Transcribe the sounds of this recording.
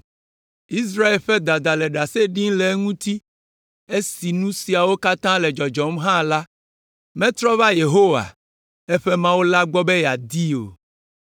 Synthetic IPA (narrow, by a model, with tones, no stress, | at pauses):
i˦s̬ɾa˦e˨lɸɛ˦d̪a˨d̪a˨lɛ˨ɖa˨se˦ɖĩ˦lɛ˨˦ŋũ˦t̪i˦ | e˦si˨nũ˦si˨a˨wo˦ka˦t̪ã˦lɛ˨d͡ʒɔ˨d͡ʒɔ˨mɦã˦la˦ | mɛ̃˦t̪ɾɔ˦va˦je˨ɦo˦wa̰˨ | ɛ˦ɸɛ˦mã˦wo˦la˦ɡ͡bɔ˦bɛ˦ja˨d̪i˦o̰˨